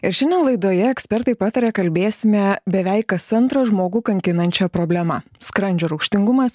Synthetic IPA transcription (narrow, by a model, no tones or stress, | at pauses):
ɪɾʃʲɪnʲɛnlˠɐɪd̪oːjɛɛksʲpʲɛɾt̪ɐɪpɑːt̪ɐɾʲɛːkɐlʲbʲeːsʲɪmʲɛbʲɛʋʲɛɪkkːɐsɐnt̪ɾɐʒmoːɡʊːkɐŋʲkʲɪnɐnʲt͡ʃʲɛpɾoːbʲlʲɛmɐ | skɾɐnʲd͡ʒʲoːɾɐʊkʃʲt̪ʲɪŋɡʊmɐs